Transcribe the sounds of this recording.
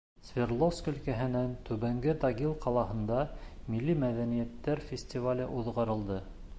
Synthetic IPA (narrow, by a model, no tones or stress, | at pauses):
svʲerlˠofskɵ̆lkæɦɘ̆nænt̪ʉβæŋɡɘd̪ɑɡilˠqʰɑlˠɑhɤ̆nd̪ɑmilːimæðænijæt̪ːæɾfʲɪsʲtʲivalʲɘʔuðʁɑɾɤ̆lˠd̪ɤ